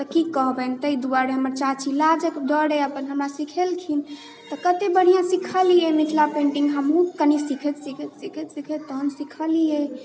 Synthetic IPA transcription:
t̪əkikəɦbɛnt̪əid̪uaɾeɦəməɾt͡ʃat͡ʃʰilad͡ʒəkɖəɽeəpənɦəmɾasikʰelkʰin | t̪ɔkət̪ebəɽ̤ijãsikʰəlijemit̪ʰlapẽɳʈiŋɡɦəmɦukənisikʰet̪sikʰet̪sikʰet̪sikʰet̪əɦənsikʰəlije

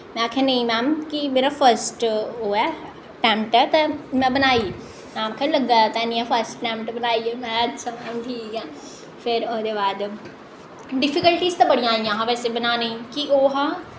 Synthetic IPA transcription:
mɛ̃akʰẽnɐĩmɛːmkimeːɾafəɾsʈɦoːɛ | ʈɛ̃ːmpʈɛt̪ɐmɛ̃bɐnaːi | mɛ̃ːmkʰelɐɡːat̪ɛ̃nĩãfəɾsʈʈɛ̃ːmʈbɐnaːiemɛ̃ɐtːʃʰamɛːmʈʰiːka | fɪɾoːd̪ebaːd̪ | ɖɪfikəlʈizt̪ɐbɐɽ̤ijãːiãɦãʋɛːsebɐnanɐĩkiʔoːɦã

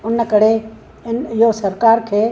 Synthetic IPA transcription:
ʊnkəɽe | ɪnɪɦosɐɾkaːɾkʰeː

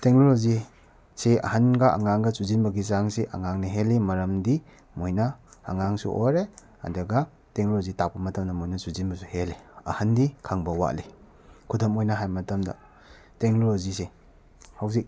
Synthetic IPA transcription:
teŋlolozi | seɐ̰hɐnɡɐa̰ŋaŋɡɐsuzinbɐɡisaŋseʔɐ̰ŋaŋniɦelimɐɾɐmdi | mojnɐ̰ːŋaŋsṵʔoɾe | ɐ̰dɐɡɐ | teŋlozitak̚pɐmɐtɐmdɐmojnɐsuzinbɐsuheliɐ̰hɐndikʰaŋbɐwa̰ʔli | kʰudɐmojnɐɦajmɐtɐmdɐ̰ | teŋlolozise | haws̬ik̚

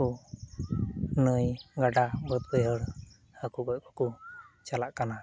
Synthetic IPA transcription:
u | nəjɡaɖabət̪̚bɛɦəɽ | həkubɔʔkɔkut͡ʃalaʔkana

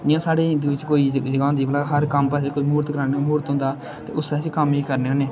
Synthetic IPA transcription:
ɪãːsaːɽeːd̪ʋɪt͡ʃkoːiːd͡ʒəɡãːnd̪iːbəlaːɦəɾkəmpəsekoːiːmuːɾt̪kəɾaːnemuːɾt̪ɦʊ̃nd̪aː | t̪ḛːʔʊsəːt͡ʃkəmiːkəɾneːɦoːneː

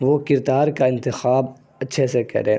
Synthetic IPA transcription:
ʋoːkɪɾd̪aːɾkaɪ̃nt̪ɪxaːb | ɐtːʃʰesekɐ̰ɾẽː

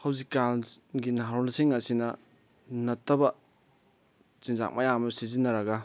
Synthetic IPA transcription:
hɐwzikːalɡinaɦɾonɐsiŋɐsinɐ | nɐtːɐbɐ | sinza̰k̚mʔɐjamɐsizinːɐɾɐɡɐ

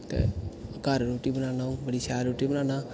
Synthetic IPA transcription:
t̪ḛːkaːɾɾoːʈiːbənaːnaːũːbəɽiːsaːɾɾuːʈiːbənãːnaː

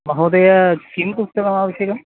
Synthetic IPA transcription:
mɐɦoːd̪ɐjɐskimpust̪ɐkɐmaːʋɐɕjɐkɐm

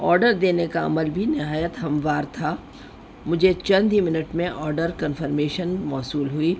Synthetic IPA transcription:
ɔːɾɖəɾd̪eːnekaɐ̰məlbʱinɪɦaːjət̪ɦɐ̃mʋaːɾt̪ʰa | mʊd͡ʒʱet͡ʃɐ̃nd̪ʱɦimɪnəʈmẽʔɔːɾɖəɾkɐnfəɾmeːʃənmɔːsuːlɦuiː

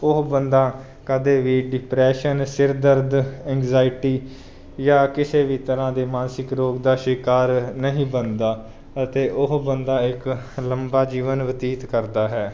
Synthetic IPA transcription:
ʊɦbənd̪aː | kəd̪eːʋiːɖɪpɾɛːʃənsɪɾd̪əɾd̪ɛ̃ːŋɡzaːɪʈiː | jaːkɪseːʋiːt̪əɾãːd̪eːmaːnsɪkɾoːkd̪aːʃɪkaːɾnəɦĩːbənd̪aː | ət̪eːʔʊɦbənd̪aːɪk | ləmbaːd͡ʒiːʋənʋət̪iːt̪kəɾd̪aːɦɛː

